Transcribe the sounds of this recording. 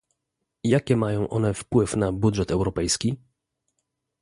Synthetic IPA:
jakʲɛmajɔ̃w̃ʔɔ̰nɛfpwɘfnabudʐɛt̪ɛwɾɔpɛjskʲi

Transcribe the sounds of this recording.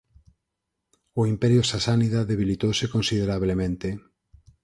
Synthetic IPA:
ʊimpɛɾjʊsasaniðaðeβ̞ilit̪owsekonsið̞eɾaβlemẽnt̪e

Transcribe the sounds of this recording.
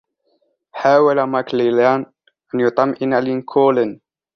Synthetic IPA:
ħaːwalamaklilaːn | ʔanjʊt̪ˤɑmːʔɪnalɪnkʰuːlɪn

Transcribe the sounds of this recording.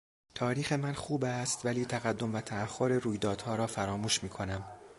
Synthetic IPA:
t̪ʰɒːɾiːxe̞mænxuːbæst̪væliːt̪ʰæɣæd̪ːo̞mvæt̪ʰæːhːoɾeɾuːjd̪ɒːd̪hɒːɾɒːfæɾɒːmuːʃmiːkʰo̞næm

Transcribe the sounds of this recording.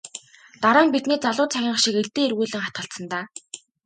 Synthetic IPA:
t̪aɾaːmpit̪niːt͡saɮʊːt͡sʰæɣʲɪːɴχʃĭkeɮt̪eːerɣuːɮɘ̆ŋχat̪̚ɢə̆ɬsə̆nt̪aː

